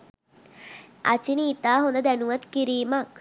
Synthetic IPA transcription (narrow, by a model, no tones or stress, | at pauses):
a̰t͡ʃiniːt̪aːɦond̪əd̪ænuʋɐt̪kiɾiːmak